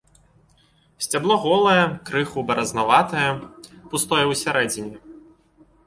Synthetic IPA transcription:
sʲt͡sʲablˠɔɣɔlˠɐjɛkɾɨxubɐɾɐznavat̪ɐjɐpust̪ɔjɛwsʲaɾɛd͡zʲinʲɛ

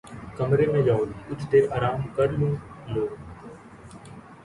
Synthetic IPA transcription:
kəmɾeːmẽːd͡ʒaːoliːʊt͡ʃ̪ʰt̪eːɾaːɾaːmːkəɾlũːloː

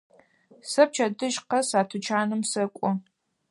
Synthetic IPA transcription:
sɐp̚t͡ʃʰɐdɨʒqɐsaːtʰɨt͡ʃʰaːnɨmsɐkʷʼɔ

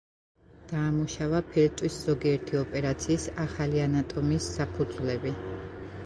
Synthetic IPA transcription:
d̪̥aːmuʃavapʰɛɾt̪ʼwisz̥ɔɡiɛɾt̪ʰiɔpʼɛɾat̪sʰiːsaχalianat̪ʼɔmisːapʰud̪zvlɛbi

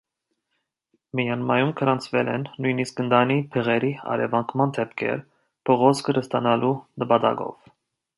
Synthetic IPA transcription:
mijɑnmɑjumkʰəɾɑnt͡sʰvɛlɛnːujniskənd̪ɑnipʰɛʁɛɾiɑ̰ɾɛ̰vɑŋkʰmɑnd̪ɛpʰkʰɛ̰ɾ | pʰɔʁɔt͡skʰəɾəst̪ɑnɑlunəpɑt̪ɑ̰ɡɔ̰v̥

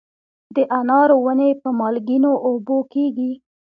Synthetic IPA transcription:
d̪əʔanɑɾowənepəmɑlɡinoʔobokeɡi

